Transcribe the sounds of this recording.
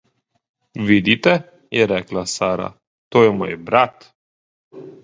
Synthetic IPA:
vid̪it̪ɛ | jɛɾɛklasaɾa̰ | t̪ojɛmojɛbɾat̪

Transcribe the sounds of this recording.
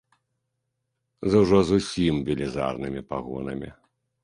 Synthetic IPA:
zɐwʐɔzusʲimvʲilʲiza̰rnɨmʲipaɣɔ̰nɐmʲḭ

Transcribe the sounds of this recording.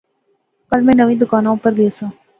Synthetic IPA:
kəlmẽːnəʋĩːd̪ʊkaːnõpəɾlisõː

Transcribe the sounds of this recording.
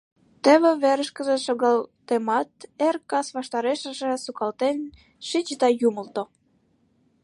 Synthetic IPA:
t̪ə̆βĕβeɾə̆ʃkə̆zĕʃoɣɑlt̪emɑt̪erkɑsβɑʃt̪ɑɾeʃə̆ʒĕsukɑlt̪en | ʃit͡ɕət̪ɑjumə̆lt̪o

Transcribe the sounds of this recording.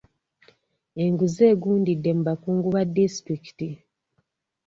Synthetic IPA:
e̞ŋɡuze̞ːɡuːndidːe̞muβakuːŋɡuβadːistɾiki̥ti

